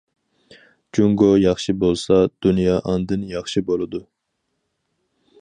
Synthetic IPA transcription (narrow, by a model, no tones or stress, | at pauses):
d͡ʒuŋɡojɑχʃibolˠsɑd̪̥unjɑːʔɑnd̪ɨnjɑχʃibolˠɨd̪u